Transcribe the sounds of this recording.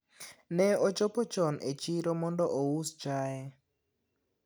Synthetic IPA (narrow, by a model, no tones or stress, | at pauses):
nɛɔt͡ʃɔpɔt͡ʃɔnet͡ʃiɾɔmɔndɔʔɔwusd͡ʒajɛ